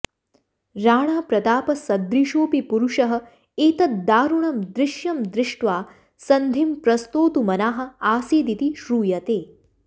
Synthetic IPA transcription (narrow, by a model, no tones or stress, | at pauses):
ɾaːɳ̃aːpɾɐt̪aːpɐsɐd̪ɾiʃoːpipuɾuʂɐɦɐ̆ | eːt̪ɐt̪̚d̪aːɾuɳɐmd̪ɾɪʃjɐmd̪ɾɪʂʈʋaː | sɐnd̪ʱimpɾɐst̪oːt̪umɐnaːɦɐ̆aːseːd̪it̪iʃɾuːjɐt̪eː